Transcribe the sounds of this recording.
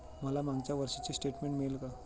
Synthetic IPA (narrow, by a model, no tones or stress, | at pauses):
məlamaɡt͡ɕjaʋəɾʂat͡ɕisʈeʈmeɳʈmiɭelka